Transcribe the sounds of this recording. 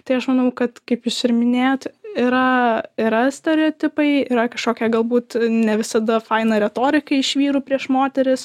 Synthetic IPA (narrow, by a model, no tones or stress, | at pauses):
t̪ɐɪɐʃmɐnɐʊkɐt̪kɐɪpjʊsɪɾmʲɪnʲeːjot̪ɪɾɐɪɾɐsʲt̪ʲɛɾʲɛoːt̪ʲɪpɐɪɪɾɐkɐʃkoːkʲɛɡɐlˠbuːt̪nʲɛʋʲɪsɐd̪ɐfɐɪnɐɾʲɛt̪oːɾʲɪkɐɪɪʃʲʋʲiːɾuːpʲɾʲiɛʃmoːt̪ʲɛɾʲɪs